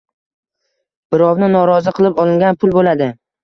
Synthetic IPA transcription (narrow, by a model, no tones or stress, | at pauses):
b̥ɪɾɒwnɪnɒɾɒzɪqʰɨlˠɪpɒlˠɪŋɡʲanpʰʊlˠbolad̪ɪ